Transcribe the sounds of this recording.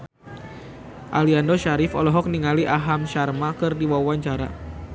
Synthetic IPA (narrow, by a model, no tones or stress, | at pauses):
ʔaliandɔʃaɾɪfɔ̰lɔɦɔk̚niŋaliʔaɦamʃarmakɨrdiwawaɲt͡ʃaɾa̰